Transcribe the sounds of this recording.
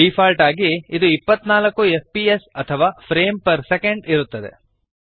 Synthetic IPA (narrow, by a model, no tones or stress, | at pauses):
iːpʰaːlʈaːɡiid̪uipːɐt̪ːnaːlɐkːuefpiesɐt̪ʰɐʋaːpʰɾeːmpɐɾsekeɳɖiɾut̪ːɐd̪ḛ